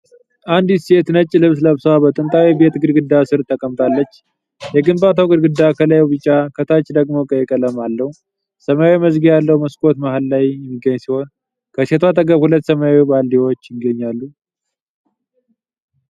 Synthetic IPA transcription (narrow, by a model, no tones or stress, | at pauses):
ʔand̪se̞t̪nət͡ʃʼːlɨβsləβsəwabət̪ʼɨnt̪ʼawibe̞t̪ɡɨɾɡɨd̪ːasɨɾt̪ʰːəkʼəmt̪ʼʰalːət͡ʃː | jɛɡɨmbat̪ʰawɡɨɾɡɨd̪ːakʰələjɛwbɨt͡ʃʼːakʰət̪ʰat͡ʃːd̪əɡmo̞kʼəjɛkʼələmalːəhu | səmajawiməzɡijalːəhuməskʼo̞t̪mahllajjɛmːiɡːəɲːsiho̞n | kʰəse̞t̪ʰwat̪ʰəɡəβhulət̪ːsəmajawibald̪iwo̞t͡ʃːjɪɡːəɲːalːu